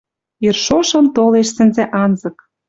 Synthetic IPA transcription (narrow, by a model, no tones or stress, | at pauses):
irʃoʃɤ̆mt̪oleʃsɘ̆nzĕʔɑnzɤ̆k